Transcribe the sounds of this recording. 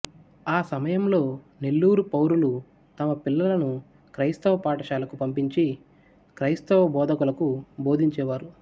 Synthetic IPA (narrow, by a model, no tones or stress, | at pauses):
aːsɐmɐjɐmlo̞ː | ne̞lːuːɾupɐwɾulu | t̪ɐmɐpilːɐlɐnu | kɾɐjst̪ɐʋɐpaːʈɐʃaːlɐkupɐmpiɲt͡ʃi | kɾɐjst̪ɐʋɐbɔːd̪ʱɐkulɐkubo̞ːd̪ʱiɲt͡ʃɛːʋaːɾu